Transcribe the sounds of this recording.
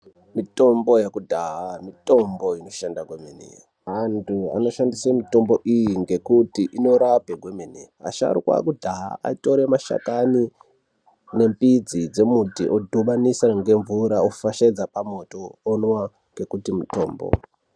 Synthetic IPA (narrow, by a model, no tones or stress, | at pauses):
mito̞mbo̞jekudʱaɦamito̞mbo̞ino̞ʃandaɡʱwemenḛ | ɦantʰua̰no̞ʃandisemito̞mbo̞ʔijiŋɡe̞kutiʔino̞ɾapeɡʱwemenḛ | a̰ʃa̰ɾukwa̰kudʱaɦa̰a̰ito̞ɾemaʃa̰kani | ne̞mpid͡zid͡ze̞mutiʔodʱuɓanisaŋɡe̞ɱvuɾaofaʃed͡zapamo̞to̞ːnwa | ŋɡe̞kutimuto̞̰ːmbo̰